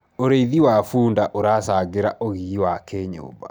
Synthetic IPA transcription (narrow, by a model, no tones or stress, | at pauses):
oɾeiðiwafuːndaʔoɾasaɡeɾa̰ʔoɣiɣiwakeɲo̰ba̰